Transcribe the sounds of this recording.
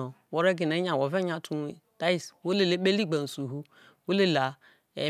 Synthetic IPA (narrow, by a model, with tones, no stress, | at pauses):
o˨wo˦ɾe˦ɡi˨ne˨˦ɲa˨wo˨ve˦ɲa˨tʰu˦˨ta˦i˦˨swo˦le˦le˦ɓe˦li˦ɡ͡ba˨n˨su˨ɦu˦ | wo˦le˦la˨ | ḛ˨